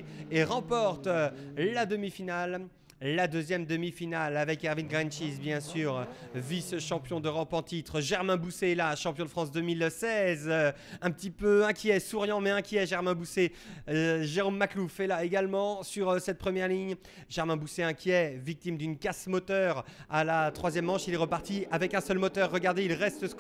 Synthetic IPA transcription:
eʁɑ̃pɔʁt̪lad̪əmifinalː | ad̪øzjɛmd̪əmifinalavɛkɛʁvinɡʁɛnʃizbjɛ̃syːʁvisəʃɑ̃pjɔ̃d̪əʁɑ̃pɑ̃t̪it̪χəʒɛʁmɛ̃buselaʃɑ̃pjɔ̃d̪əfχɑ̃sd̪əmilsɛzø | ɛ̃pət̪ipøɛ̃kʲjɛsuʁjɑ̃mɛɛ̃kʲjɛʒɛʁmɛ̃buse | ʒeʁomːaklufɛlaeɡalmɑ̃syʁsɛt̪̚pχəmjɛʁliɲ | ʒɛʁmɛ̃buseɛ̃kʲʰjɛvik̚t̪imd̪ynkasmɔt̪œʁalat̪χwazjɛmːɑ̃ʃilɛʁəpaʁt̪iavɛkɛ̃sœlmɔt̪œʁːəɡaʁd̪eilʁɛst̪əs

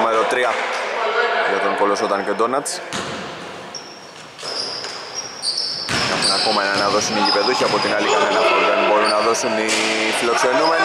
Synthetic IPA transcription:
meɾot̪ɾiɐ | lɐt̪oŋko̞losot̪ɐncod̪onɐt̪t͡s | ɐfunɐkomenɐnɐðo̞suniʎipeðuçeɐpo̞t̪inɐlikɐnenɐpoit̪ɐnbo̞ɾunːɐðo̞sunifilo̞kse̞numen

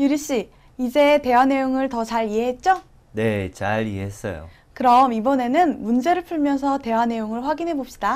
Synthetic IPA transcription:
juɾiɕ͈i | id͡ʑe̞te̞wane̞joŋɯɭtʌt͡ɕaɾieɦet̚t͡ɕ͈o | ne̞t͡ɕaɾieɦes͈ʌ̰jo̰ | kɯɾʌmibʌne̞nɯnmund͡ʑe̞ɾɯɭpʰuɭmjʌns̬ʰʌte̞wane̞joŋɯɭɸwaɡinɦebop̚ɕ͈ida

